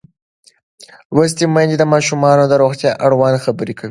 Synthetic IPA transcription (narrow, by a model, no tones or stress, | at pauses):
wəs̬t̪emajnd̪ed̪əmɑʃumɑnod̪əɾoxt̪jɑʔaɽwɑnxabəɾekʰawi